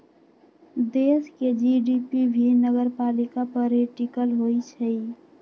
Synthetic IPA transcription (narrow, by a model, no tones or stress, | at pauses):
d̪eːsked͡ʒiːɖiːpibʱinəɡəɾpaːlɪkapəɾeʈikəlɦoit͡ʃʰəi